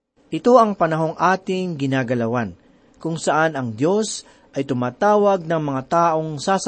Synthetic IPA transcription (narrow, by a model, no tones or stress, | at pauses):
ʔɪt̪o̞ʔɐŋpɐnɐɦo̞ŋʔaːt̪ɪŋɡɪnaːɡɐlɐwan | kʊŋsɐʔanɐŋd̪jo̞s | ʔɐjt̪ʊmaːt̪aːwɐɡ̚nɐŋmɐŋat̪aːʔo̞ŋsaːs